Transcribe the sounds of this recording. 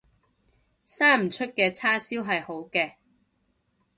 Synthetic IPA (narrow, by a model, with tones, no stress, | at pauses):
saː˥m̩˨˩t͡ʃʰɵ˥t̚kɛː˧t͡sʰaː˥siː˥wɦɐ˨jho˨˥wkɛː˧